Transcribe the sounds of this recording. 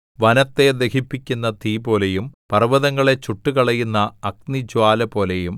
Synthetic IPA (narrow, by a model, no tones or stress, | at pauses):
ʋɐnɐt̪ːe̞d̪ekʰipːikʲːunːɐt̪iːbo̞ːlejumpɐrʋɐðɐŋːɐɭe̞t͡ɕuʈːukɐɭɐjːunːɐːk̚nid͡ʑwaːlɐpo̞ːlejum